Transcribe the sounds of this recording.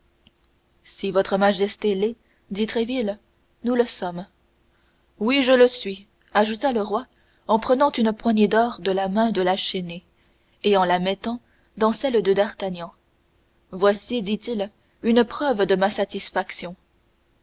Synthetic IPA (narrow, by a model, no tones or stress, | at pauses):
sivɔt̪χəmaʒɛst̪elɛ | d̪it̪χɛvil | nuləsɔm | wiʒələsɥi | aʒut̪aləʁwa | ɑ̃pχənɑ̃t̪ynəpwaɲed̪ɔʁd̪əlamɛ̃d̪əlaʃene | eɑ̃lamɛt̪ɑ̃ | d̪ɑ̃sɛld̪əd̪aʁt̪aɲɑ̃ | vwasid̪it̪il | ynəpχœvəd̪əmasat̪isfaksjɔ̃